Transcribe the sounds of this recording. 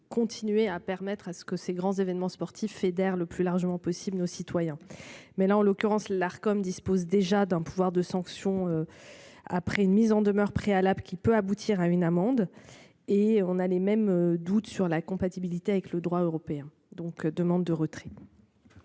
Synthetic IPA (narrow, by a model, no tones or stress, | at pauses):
kɔ̃t̪ʰinɥeapɛʁmɛt̪χasə̥kəseɡʁɑ̃zevɛnmɑ̃spɔʁt̪ʰifːed̪ɛʁləplylaʁʒəmɑ̃pɔsiblnosit̪wajɛ̃mɛlaɑ̃lɔkʲyʁɑ̃slaʁkɔmd̪ispozd̪eʒad̪ɛ̃puvwaʁd̪əsɑ̃ksjɔ̃ø | a̰pχɛynmizɑ̃d̪əmœʁpχealablkʲipøabut̪ʰiʁaynamɑ̃d̪ | eɔ̃nalemɛmød̪ut̪syʁlakɔ̃pat̪ibilit̪eavɛkləd̪ʁwaøʁɔpeɛ̃ | d̪ɔ̃kd̪əmɑ̃d̪ːəʁət̪χɛ